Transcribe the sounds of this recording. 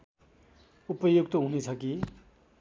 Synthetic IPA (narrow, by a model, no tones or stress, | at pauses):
upʌjuɡt̪ʌɦunet͡sʰʌki